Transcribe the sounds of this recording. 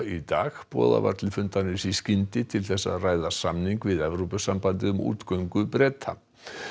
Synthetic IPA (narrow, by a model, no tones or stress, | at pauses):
it̪aːɣpɔ̰ːða̰va̰ɾt̪lɪfʏnt̪anːɪnsiscɪnt̪ɪt̪ʰɪlθɛsːa̰ðraːjðasamniŋkvɪðɛvɾupʏsampant̪ɪʏmṵːt̪kœɥŋkʏpɾɛːt̪ʰa̰